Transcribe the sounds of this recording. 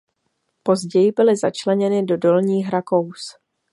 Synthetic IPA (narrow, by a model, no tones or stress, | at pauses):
po̞zɟɛjɪbɪlɪza̰t͡ʃlɛɲɛnɪdo̞do̞lɲiːxɾako̞ws